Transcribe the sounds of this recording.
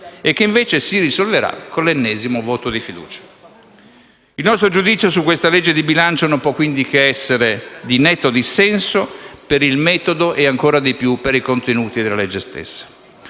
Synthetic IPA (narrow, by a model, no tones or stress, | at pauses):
ekːeiɱveːt͡ʃesirizolveɾa̰kolenːɛːzimovoːt̪od̪ifid̪ṵːt͡ʃḁ | ilnɔst̪ɾod͡ʒud̪it̪sjosukwest̪aled͡ʒːed̪ibilant͡ʃonompwɔkːwind̪ik̟eɛsːeɾed̪inɛt̪ːod̪isɛnsopeɾilmɛːt̪od̪oʔeaŋkoːɾad̪epjupeɾikont̪enuːt̪id̪elːalɛd͡ʒːest̪ḛsːḁ